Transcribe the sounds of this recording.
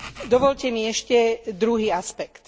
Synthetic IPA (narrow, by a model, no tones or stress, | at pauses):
d̪ɔʋɔʎcɛmiɛʃcɛd̪ɾuɦiːaspɛkt̪